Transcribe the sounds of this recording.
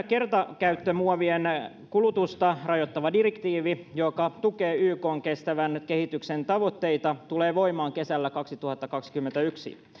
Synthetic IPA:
ke̞rt̪ɑkæyt̪ːømuɑʋien | kulut̪ust̪ɑrɑjot̪ːɑʋɑdirekt̪iːʋijokɑt̪uke̞ːyːko̞ːŋkest̪æʋænkehit̪yksent̪ɑʋo̞t̪ːe̞it̪ɑt̪uleːʋo̞imɑːŋke̞sælːækɑksit̪uhɑt̪ːɑkɑksi̥kymːent̪æyksḭ

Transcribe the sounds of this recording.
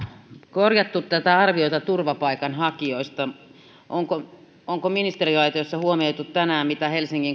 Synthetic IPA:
korjɑt̪ːut̪t̪æt̪æɑrʋioit̪ɑt̪urʋɑpɑikɑnhɑkioist̪ɑ | ʔoŋko | oŋkominist̪eriɑit̪iosːɑhuomeut̪ut̪t̪ænæːmmit̪æhelsiŋkiŋ

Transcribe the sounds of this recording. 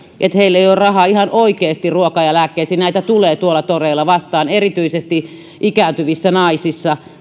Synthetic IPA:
ʔet̪heilːeiorrɑhɑihɑnʔoikeːst̪iruokɑjɑlækːeisinæit̪æt̪uleːt̪uolːˑɑt̪oreilːɑʋɑst̪ɑːnerit̪yisest̪i | ʔikæˑnt̪yʋisːænɑisisːɑ

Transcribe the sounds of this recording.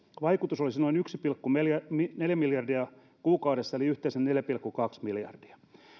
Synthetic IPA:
ʋɑikut̪usolisinoinyksipilkːumeljæmneljæmiljɑrdiɑ | kuːkɑuwɾesːɑeliyht̪eisenneljæpilkːukɑksmiljɑ̰rd̥i̥ɑ̥

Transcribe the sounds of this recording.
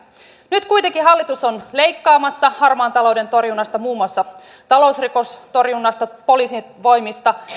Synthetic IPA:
nyt̪kujt̪eŋkiɦɑlːit̪usonle̞jkːɑːmɑsːɑhɑrmɑːnt̪ɑlo̞wde̞nt̪o̞rjunːɑst̪ɑmuːmuɑsːɑ | t̪ɑlo̞usriko̞st̪o̞rjunːɑst̪ɑpo̞liːsiʋo̞jmist̪ɑ

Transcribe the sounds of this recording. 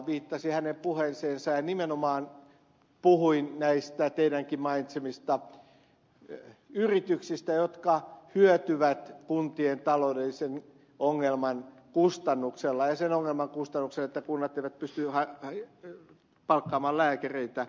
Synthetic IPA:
ʋiːt̪ːɑsihænempuhenseːnsɑjɑnimenomɑːn | puhuinnæist̪æt̪eidæŋkimmɑinit̪semist̪ɑ | yrit̪yksist̪æjot̪kɑhyøt̪yʋæt̪kunt̪ient̪ɑloudelːisen | oŋːelmɑn | kust̪ɑnːukselːɑjɑsenoŋːelmɑŋkust̪ɑnːukselet̪ːækunːɑt̪eiʋæt̪̚pyst̪yhɑ | pɑlkːɑːmɑːllæːkæreit̪æ

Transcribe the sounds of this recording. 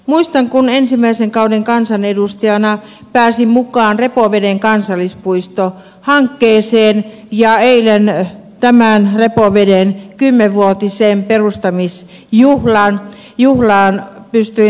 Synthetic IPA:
muist̪ɑŋkunensimæiseŋkɑudeŋkɑnsɑnedust̪ɑjɑnɑ | pæːsimukɑːnrepoʋedeŋkɑnsɑlːˑispuist̪o | hɑŋkːeːseːn | jɑeilen | t̪æmæˑnrepoʋedenkymːeʋʋuot̪iseːmperust̪ɑmis | juhlɑːn | juhlɑːnpyst̪yi

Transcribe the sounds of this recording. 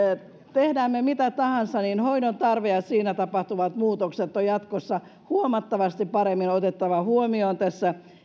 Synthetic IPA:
t̪ehdæːmːemit̪æt̪ɑhɑnsɑninhoinont̪ɑrʋeɑsiːnæt̪ɑpɑht̪uʋɑt̪muːt̪okset̪ːojɑt̪kosːɑ | huomɑt̪ːɑʋɑst̪ipɑɾemːinot̪et̪ːɑʋɑhuomioːnt̪æsːæ

